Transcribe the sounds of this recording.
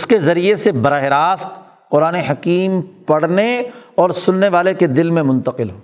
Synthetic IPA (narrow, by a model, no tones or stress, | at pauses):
ʊskezɐɾiesebɐɾaːɦɪɾaːst̪ | qʊɾaːneɦɐkiːmpɐɽ̤neɔːɾsʊnːeʋaːleked̪ɪlmẽmʊ̃nt̪əqɪlɦoː